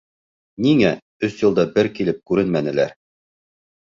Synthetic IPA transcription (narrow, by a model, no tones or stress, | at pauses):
niŋæ | ɵsjŭlˠd̪ɑbɘɾkilɘp̚kʉɾɘnmænɘ̆læ̰ɾ